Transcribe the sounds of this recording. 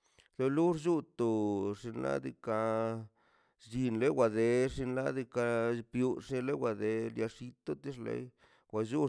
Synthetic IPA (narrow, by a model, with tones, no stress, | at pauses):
lo˧lu˦ɾd͡ʒu˦t̪o˨ʂi˧nla̰˦d̪ḭ˧ka˧ | d͡ʒi˧nle˦wa˨d̪e˧ʂi˧nla˦d̪i˧ka˧pju˧ʂe˧le˦wa˨d̪e˧lja˧ʂi˧t̪o˦t̪i˦ʂlḛ˦j | wʷa˨ʒu˦